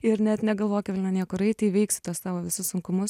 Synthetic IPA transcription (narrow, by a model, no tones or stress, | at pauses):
ɪɾnʲɛt̪nʲɛɡɐlˠʋoːkɪʋɪlʲnɐnʲiɛkʊɾɐɪtt̪ʲiɪʋʲɛɪksʲɪ̥t̪uɔst̪ɑːʋoːʋʲɪsʊssʊŋkʊmʊs